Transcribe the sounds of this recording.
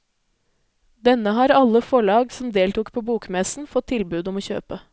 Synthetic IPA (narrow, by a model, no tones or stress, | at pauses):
d̪ɛnəɦɑːɾɑlːəfɔɭɑːɡsɔmd̪eːlt̪uːkpʰoːbuːkmɛsn̩fɔt̪ʰːɪlbʉːd̪ɔmoːçø̰ːpə